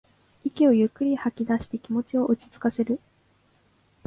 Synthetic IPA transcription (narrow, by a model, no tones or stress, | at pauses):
ikʲio̞jɯ̟kːɯ̟ɾʲihakʲid̪aɕi̥t̪e̞kʲimo̞t͡ɕio̞ʔɯ̟t͡ɕi̥t͡sɨ̥kase̞ɾɯ̟